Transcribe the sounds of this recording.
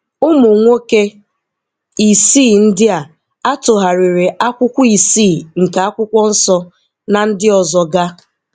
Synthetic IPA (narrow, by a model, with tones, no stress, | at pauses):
ʊ˦mʊ˨ŋʷo˦ke˦ | i˨siː˦˨n̩˦dɪ˦a˨ | a˦tʊ˨ɦa˨ɾi˨ɾe˨ʔa˦kʷʊ˦kʷʊ˦i˨siː˦˨ŋ̩˨ka˨a˦kʷʊ˦kʷɔ˦n̩˦sɔ˦ | na˨n̩˦dɪ˦ɔ˨zɔ˨ɡa˦